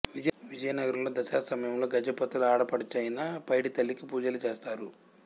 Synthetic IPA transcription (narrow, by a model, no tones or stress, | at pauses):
ʋid͡ʒʋid͡ʒɐjɐnɐɡɐɾɐmlo̞ːd̪ɐsaːksɐmɐjɐmlo̞ːɡɐd͡ʒɐpɐt̪uluaːɽɐpɐɽɐt͡ʃeːjinɐpɐjʈit̪ɐlːikipuːd͡ʒɐlut͡ʃeːst̪aːɾu